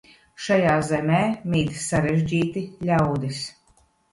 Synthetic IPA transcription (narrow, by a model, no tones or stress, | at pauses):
ʃajaːzɛmʲɛːmʲiːt̪sːaɾeʒʲd͡ʒiːt̪ilʲawd̪is